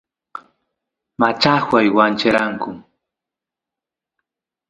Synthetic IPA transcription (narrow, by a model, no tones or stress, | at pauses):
mat͡ʃahwajwant͡ʃeɾaŋkʊ